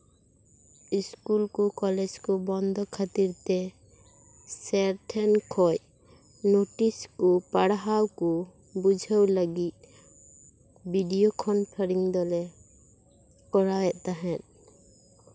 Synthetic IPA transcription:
iskulkukɔlɛd͡ʒkɔbɔnd̪ʱɔkʰat̪iɾt̪ɛ | sɛɾʈʰɛnkʰɔj | noʈiskupaɽɦawku | bud͡ʒʱəwləɡit̪̚ | biɖijokʰɔnpʰaɾiŋd̪ɔlɛ | kɔɽawɛʔt̪aɦɛn

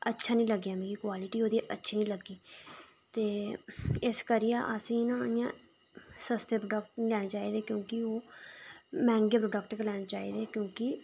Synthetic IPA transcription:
ətːʃʰaːnĩːləɡjaːmɛ̃ːkiːkwaːlɪʈiːoːd̪iːʔətːʃʰiːnĩːləɡːiː | t̪eː | ɪskəɾiaːʔəsĩːnãːnijãː | səst̪eːpɾoːɖək̚ʈlɛːɽeːt͡ʃaːiːd̪eːkjõːkɪoː | mɛ̃ːŋɡeːpɾoːɖəkʈklɛːneːt͡ʃaːḭːd̪eːkjõːkɪ

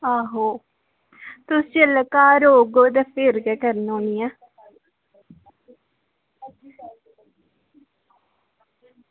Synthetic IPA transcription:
aːɦoː | t̪ʊsiəlkaːɾoːɡoːd̪ɛpʰɪɾɡɛkəɾnõːnijaː

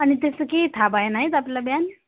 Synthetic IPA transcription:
aɽ̃it̪esəkeit̪ʰabaenaɦit̪aplalabjan

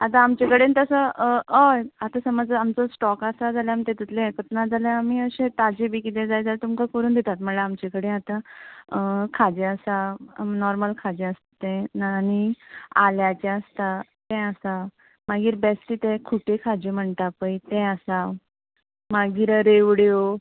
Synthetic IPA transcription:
at̪ãːmt͡ɕekəɽent̪əsəəjat̪asəməd͡zamt͡səsʈɔkasad͡zʱaljãmɳt̪ẽt̪it̪ʰlẽkət̪nad͡zʱaljãamiəɕẽt̪ad͡ʑebʱiːkit̪ẽd͡zajd͡zalt̪umkakəɾuːnd̪et̪at̪m̤əlaamt͡ɕekəɽẽat̪ãəkʰad͡ʑẽəsanɔɾməlkʰad͡ʑẽəst̪ḁt̪ɛ̃nanialjat͡ɕẽəst̪at̪ɛ̃əsa | maɡiːɾbɛsʈiːt̪ẽkʰuʈekʰad͡ʑem̤əɳt̪apəjt̪ɛ̃əsa | maɡiːɾɾeʋɽjo

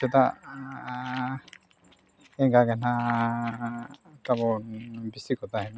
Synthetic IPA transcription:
ɔt̪a | ɛɡaɡana | t̪abɔbisikɔt̪ʰaɦɛn

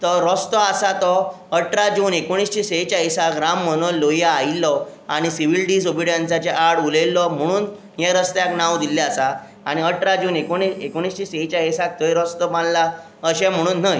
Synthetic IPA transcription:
t̪ɔɾɔst̪ɔasat̪ɔ | əʈɾad͡ʑuːnekoɽ̃ist͡ɕisejt͡ɕaisakɾamːənɔllːojaːilːɔaɽ̃isiʋilɖiːsobiɽjansat͡ɕeʔaɽulelːɔm̤əɽ̃uːn | ɦɛɾəst̪jaknawd̪ilːɛasaː | ɽ̃iəʈɾad͡ʑuːnekoɽ̃iːsekoɽ̃ist͡ɕiːsejt͡ɕaisak̚t̪əjɾɔst̪ɔpãnla | əɕɛ̃m̤əɽ̃uːnːəj

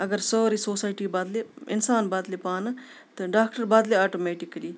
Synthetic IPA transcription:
ɐɡəɾsoːɾisoːsaːjʈiːbaːd̪leɪnsaːnbaːd̪lepaːnɐ | t̪ɐɖaːk̚ʈəɾbaːd̪leːaːʈoːmeːʈɪkɐliː

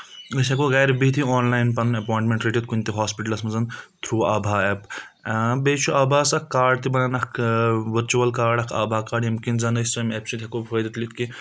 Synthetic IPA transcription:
ɡɐsʲɐkoɡaːjɾbit̪ʰiɔːnlaːjnpɐnɐpɔːjɳʈmẽɳʈɾiʈit̪kunʲt̪iɦaːspiʈɐlsmɐzɐnt̪ʰɾuːabʱaːep | beːt͡ʃʰuɐbʱaːsɐkkːaːɾɖt̪ibɐnanɐkʰʋəɾt͡ʃuʋɐlkaːɾɖɐkʰa̰bʱaːkaːɖemkinzɐnɐsʲsɐmepsit̪ʲʰɐkobɦoːjd̪it̪lit̪ki

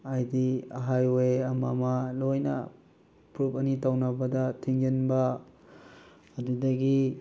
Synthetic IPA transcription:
ajdiɐ̰ɦajwejɐmɐmɐlojnɐ̰ | pɾupɐnitawnɐbɐdɐtʰiŋd͡ʒenbɐ | dudɐɡi

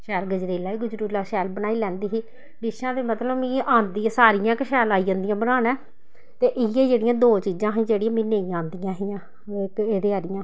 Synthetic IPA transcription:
ʃɛːlɡəd͡ʒɾeːlaːiːɡʊd͡ʒɾuːlaːʃɛːlbənaːiːlɛ̃ːnd̪iːɦiː | ɖɪʃãːd̪eːmət̪ləbmĩːʔãːnd̪iːãːsaːɾijãːkɪʃɛːlaːiːãːnd̪ijãːbənaːnãː | t̪eːʔɪɪeːd͡ʒeːɽɪjãːd̪oːt͡ʃiːd͡ʒãːɦĩːd͡ʒeːɽijãːmĩːneĩːãːnd̪ijãːɦiːãː | keːd̪eːaːɾɪjãː

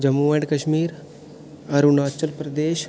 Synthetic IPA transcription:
d͡ʒɐmuʋeɳɖkɐʃmiːɾ | ɐɾunaːt͡ʃəlpɾɐd̪eːʃ

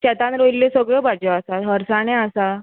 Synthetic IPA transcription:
ɕɛt̪anɾoilːesəɡɭəbad͡ʑɔasaɦəɾsaɽ̃ẽasa

